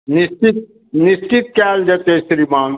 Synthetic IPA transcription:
nist͡ʃit̪̚ | nist͡ʃit̪̚kaːld͡ʒɐt̪eːsɾimãːŋ

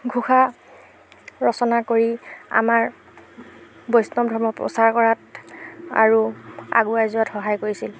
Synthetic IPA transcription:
ɡʱuxa | ɹɔsɔnakoɹia̰maɹ | bojsnɔbdʱɔɹmɔpɹɔ̰saɹkɔɹat | a̰ɹua̰ɡuajzuatxɔɦajkoɹisil

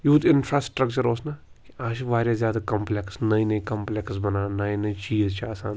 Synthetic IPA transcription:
juːt̪ɪnfʰɾaːsʈɾəkt͡ʃəɾoːsnakiaːʃʋaːɾjazʲjaːd̪aːkɐmpleksnɐĩnɐĩkɐmpleksbɐnaːnɐĩnɐĩt͡ʃiːzt͡ʃʰaːsa̰ːn

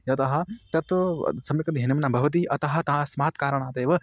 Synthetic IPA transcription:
jɐt̪ɐɦɐ̆t̪ɐt̪sɐmikɐt̪iɦinɐmɐnabʱɐʋɐt̪̬iːʔɐt̪ɐɦɐ̆t̪ɐɦɐsmaːt̪kaːɾɐɽ̃aːt̪eːʋɐ

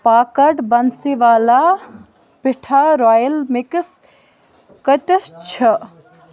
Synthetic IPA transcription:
paːkɐʈbɐnsiʋaːla | pɪʈʰaɾɔːjəlmiks | kət̪əst͡ʃʰɐ

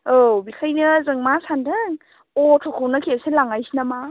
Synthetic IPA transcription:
obikʰajnɯzɯŋmasandɯŋ | otʰɔkʰownakʰiasenlaŋajsinama

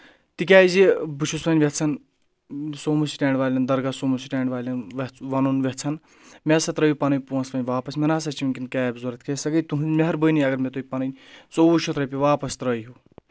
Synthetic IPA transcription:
t̪ik̬ʲaːjzibut͡ʃʰusʋɐnʲʋʲet͡sʰɐn | soːmusi̥ʈeːɳɖʋaːlʲɐnd̪ɐɾɡasoːmusiʈeːɳɖʋaːlʲɐnʋɐʋɐnunʋʲeɦt͡sʰɐn | mʲesɐt̪ɾəjupɐnɨnʲpuɐ̃nsʋɐnʲʋaːpɐsmʲenaːs̬ɐt͡ʃinʲkinkʲaːbzuɾɐt̪ʰʲkʰesɐɡət̪uɦumeɦɐɾbəniɐɡɐɾmet̪ujpɐnənʲt͡sowut͡ʃʰut̪ɾɐpʲiʋaːpɐst̪ɾəjɦu

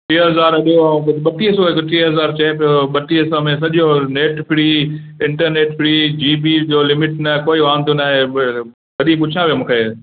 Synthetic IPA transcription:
ʈiːɦɐzaːɾɗijoãɓɐt̪iːsoɦɪkt̪iːɦɐzaːɾt͡ɕɛɦpijoɓɐt̪iːsɔmẽs̬ɐʄjõneːʈpʰɪɽiːɪ̃ɳʈəɾneːʈpʰɪɾiːd͡ʑiːbid͡ʑoːlɪmɪʈnɐkoːiʋãːnd̪onaːɦẽ | kɐɗĩpʊt͡ɕʰiãʋijomũːkʰeː

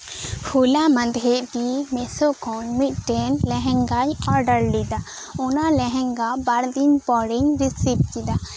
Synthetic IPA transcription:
hʰulamãnd̪ʱeʔʈimɛsɔkɔnmit̪̚ˀʈɛnlɛɦɛ̃ŋɡajɔɾɖəɾlid̪a | ɔnalɛɦɛ̃ŋɡabaɾd̪iɲpɔɽiɲɾisip̚kid̪a

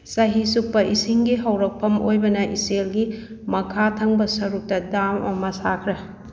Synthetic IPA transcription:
sɐɦisuk̚pɐʔisiŋɡiɦɐwɾɐk̚pʰɐmo̰jbɐnɐʔiselɡi | mɐkʰatʰɐŋbɐsɐɾuk̚tɐdamɐ̰mɐsakʰɾe

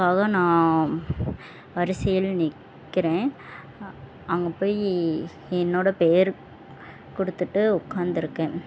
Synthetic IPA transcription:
kaːɣɐnãː | ʋɐɾɪsɐjɐlnɪkː | ɪɾẽː | ɐŋɡɐpoːj | ɛnːoːɽɐpeːɾ | kɔɽɯt̪ːɯʈːɯʊkːaːnd̪ɪɾɯkːẽː

